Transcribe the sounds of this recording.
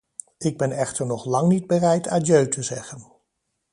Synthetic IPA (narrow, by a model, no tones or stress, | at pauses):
ɪɡ̚bɛnɛχtəɹnɔχlɑŋnid̚bərɛjta̰ːdjøɥtʰəzɛχən